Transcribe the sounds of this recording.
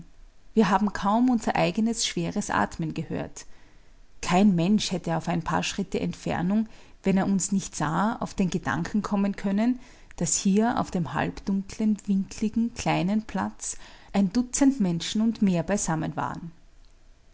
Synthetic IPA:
viːɐɦaːbm̩kʰaʊmʊnzɐʔaɪɡənəsʃv̥eːʁəsʔa̰ːtmənɡəhø̰ːɐt | kʰaɪnmɛnʃhɛtəaʊfæɪnpʰa̰ːɐʃʁ̥ɪtəʔɛ̰ntfɛ̰ɐnʊŋvɛneːɐʊnsnɪçtz̥a̰ːa̰ʊfd̥eːnɡəd̥a̰ŋkʰn̩kʰɔmənkʰœnən | d̥ashiːɐʔa̰ʊfd̥eːmha̰lpd̥ʊŋkʰlənvɪŋkʰlɪɡŋ̩kʰl̥aɪnənpʰl̥a̰t͡sʔæɪndʊt͡səntmɛnʃn̩ʊntmeːɐbaɪz̥amənva̰ːʁən

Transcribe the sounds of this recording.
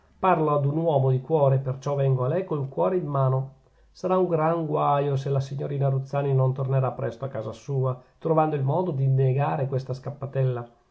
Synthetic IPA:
parload̪unwɔːmod̪ikwɔːɾepert͡ʃɔvɛŋɡoalɛjkoŋkwɔːɾeimːaːno | saɾauŋɡɾaŋɡwajoselasiɲːoɾiːnaɾut̪sːaːninont̪orneɾapːɾʔɛst̪oakːaːzasuːat̪ɾovand̪oilmɔːd̪od̪inːeɡaːɾekwest̪askapːat̪ɛlːa

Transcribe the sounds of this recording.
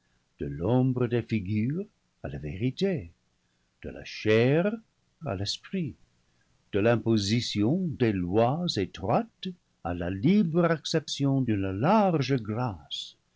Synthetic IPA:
d̪̥əlɔ̃bʁəd̪efiɡyʁ | alavḛʁite | d̪̥ə̰la̰ʃɛʁ | a̰lɛspχi | d̪̥əlɛ̃pozisjɔ̃d̪elwazet̪χwat̪ | a̰lalibʁɛksɛpsjɔ̃dynəlaʁʒəɡras

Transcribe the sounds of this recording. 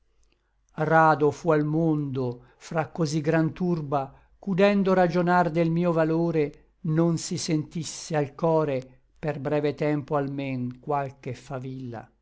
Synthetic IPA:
raːd̪ofualmond̪o | fɾakːoziɡɾant̪urba | kud̪ɛnd̪oɾad͡ʒonard̪elmiːovaloːɾe | nonsisent̪isːealkɔːɾe | perbɾɛːvet̪ɛmpoalmeŋkwalkefavilːa̰

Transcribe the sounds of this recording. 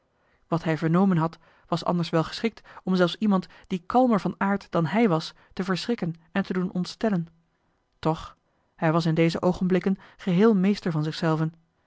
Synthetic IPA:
ʋɑtɦɛjvəɹnowmənɦɑt | ʋɑsɑ̰ndəɹsʋɛlˠχə̥sχɪk̚tɔmzɛlˠfsimɑntd̥ikɑlˠməɹvɑnaːɹtd̥ɑnɦɛjʋɑs | təvəɹsrɪkənɛntədunʔɔntstɛlən | tɔχ | hɛjʋɑs̬ɪndejzəʔowχənblɪkənχəɦɪːlˠmejstəɹvɑnzɪχsɛlˠvən

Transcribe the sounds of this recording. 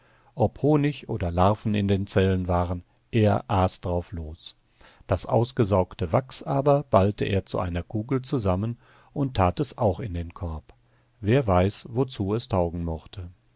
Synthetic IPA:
ʔɔphoːnɪçʔo̰ːdɐlaɐfn̩ɪ̰ndeːnt͡sɛlənvaːʁən | ʔeːɐʔaːsd̥ʁaʊfloːs | d̥asʔa̰ʊsɡ̥əzaʊktəvaksʔaːbɐb̥altʰəʔḛːɐt͡sṵʔa̰ɪnɐkʰuːɡl̩t͡suzamən | ʔʊntʰːaːtɛsʔaʊxɪndeːnkʰɔɐp | v̥eːɐvaɪsvot͡suːɛstʰaʊɡŋ̩mɔχtʰə

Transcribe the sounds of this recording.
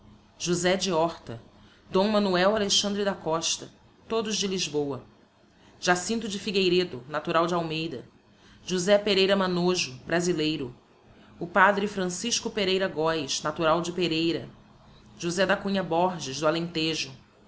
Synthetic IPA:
ʒ̥uzɛd͡ʒiɔχt̪ɐ | d̪õw̃mɐ̃nuɛwaleʃɐ̃nd̪ɾɪd̪akɔʃt̪ɐ | t̪od̪ʊʒd͡ʒɪliʒbowɐ | ʒ̥asĩnt̪ʊd͡ʒɪfiɡejɾed̪ʊnat̪uɾawd͡ʒɪawmejd̪ɐ | ʒuzɛpeɾejɾɐmanoʒʊbɾazilejɾʊ | ʊpad̪ɾɪfɾɐ̃siʃkʊpeɾejɾɐɡɔjʃnat̪uɾawd͡ʒɪpeɾejɾɐ | ʒuzɛd̪ɐkũɲɐbɔɾʒɪʒd̪ʊalẽnt̪eʒʊ

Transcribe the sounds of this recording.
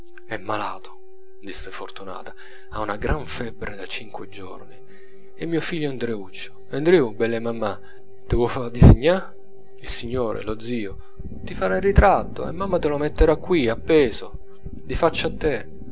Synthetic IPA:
ɛmːala̰ːt̪ʰo̥ | d̪isːefort̪una̰ːt̪ḁ | aunaɡɾʔaɱfɛbɾed̪at͡ʃiŋkwed͡ʒɔ̰rni | ɛmːiːofiʎːoand̪ɾeut͡ʃːʊ̥ | and̪ɾeubɛlːemamːa | t̪ɪwɔfad̪isiɲːa | ilsiɲːoːɾḛlod̪ziːo | t̪ifaɾairit̪ɾat̪ːo̰ḛmːamːat̪ɪlomet̪ːeɾakːwiapːɛːzo | d̪ifat͡ʃːat̪ːe

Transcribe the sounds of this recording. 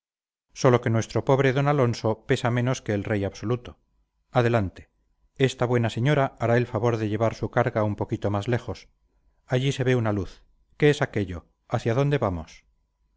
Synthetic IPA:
so̞lo̞ke̞nwe̞st̪ɾo̞po̞βɾe̞ðo̞nalo̞nso̞pe̞samẽ̞no̞ske̞ːlrejaβso̞lut̪o | aðe̞lant̪e̞̥ | est̪aβwe̞nase̞ɲo̞ɾaaɾae̞lfaβo̞ɾðeʎe̞βaɾsukaɾɣaumpo̞kit̪o̞mazle̞χo̞s | aʎise̞βe̞unaluθ | ke̞esake̞ʎo̞ | aθjaðo̞nd̪e̞βamos

